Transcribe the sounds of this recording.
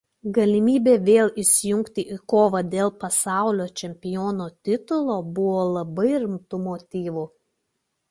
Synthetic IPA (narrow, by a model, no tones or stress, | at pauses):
ɡɐlʲɪmʲiːbʲeːʋʲeːlˠɪsʲɪjʊŋkt̪ʲɪʔikoːʋɐd̪ʲeːlˠpɐsɑˑʊlʲoːt͡ʃʲɛmʲpʲɪjoːnoːt̪ʲɪt̪ʊlˠoːbʊʋoːlˠɐbɐɪɾʲɪmt̪ʊmoːt̪ʲiːʋʊ